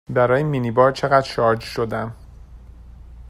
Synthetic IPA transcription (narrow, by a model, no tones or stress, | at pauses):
bæɾɒːjeminibɒːɾt͡ʃʰe̞ɣæd̪ʃɒːɾd͡ʒʃo̞d̪æm